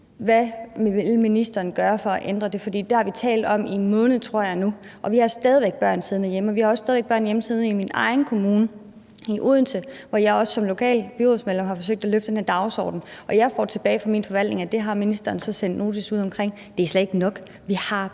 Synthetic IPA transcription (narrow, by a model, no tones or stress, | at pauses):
ʋæʋelminisd̥ɐːn̩ɡ̥ɶːɐfɒ̽æʔend̥ʁɐd̥e̝fɒd̥ḭːd̥ehɑ̈ʋit͡sʰɛ̰ːld̥ɒ̽mimɔ̽ːnð̞̩ˠt͡sʰʁo̝ɐ̰jɑ̈ɪnu | ʔɒ̽ʋihɑ̈sd̥ɛð̞ˠiʋeɡ̥̚b̥ɶɐ̰nsiːð̞ˠn̩æjeməɒ̽ʋihɑ̈ɒ̽ssdɛðˠʋeɡ̥̚ɶɐ̰njeməsiːð̞ˠniminɑ̈ɪn̩kʰo̝muːnə | iʔuð̰ˠn̩səʋɒjɑ̈ɪɒ̽ssɒ̽mlo̝kʰɛ̰ːlb̥yʁosmele̽mɦɑ̈fɒ̽s̬øɡ̥̚d̥æløfd̥enæɐd̥ɑ̈ʊsɒ̰ːd̥n̩ʔɒ̽jɑ̈ɪfɒ̰ːt͡sʰe̝b̥ɛːɪfɑ̈miːnfɒ̽ʋæl̰d̥ne̝ŋæd̥e̝ɦɑ̈minisd̥ɐːn̩sɒ̽sen̰d̥no̝ːt͡sʰisuð̰ˠɒ̽mkʰʁeŋ̰ | d̥e̝æsled̥e̝ɡ̥nɒ̽ɡ̥ | ʋihɑ̈